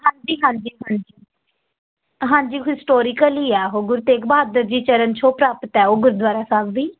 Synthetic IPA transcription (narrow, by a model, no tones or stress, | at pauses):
ɦãːɲd͡ʒiːɦãːɲd͡ʒiːɦãːɲd͡ʒiː | ɦãːɲd͡ʒiːɦɪsʈoːɾikəliːɛːɦoːɡʊɾt̪eːkbaːd̪əɾd͡ʒiːt͡ʃəɾənt͡ʃʰoːpɾaːpət̪ɛːoːɡʊɾd̪waːɾaːsaːbʋiː